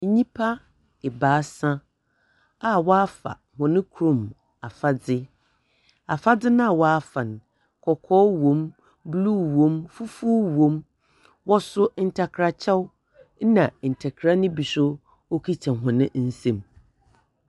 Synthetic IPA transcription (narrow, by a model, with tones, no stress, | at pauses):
ɲĩ˦pʰa˦ | ɛ˨baː˨˦sã˦ | a˨wɔ˦fa̰˨ | hʊ̃˨nɪ̃˦kʰu˨ɾõ˨m | a˨fa˦dɪ˦ | a˨fa˦dɪ˦nʊ̃˦a˨wɔ˦a˦fã˨n˨ | kʰɔ˨kʰɔː˦wõ˨m | bluː˦wõ˦mfu˦fuː˦wõ˨˦m | wɔ˦sʊ˦n̩˦tʰa˨kʰɾa˦t͡ɕʰɛ˦w̩˦ | nã˨n̩˨tʰɛ˨kʰɾa˦nɪ̃˦bi˨sʊ˦ | o˦kʰi˦t͡ɕʰã˨ɦʊ̃˨nɪ̃˦n̩˦sẽ˦m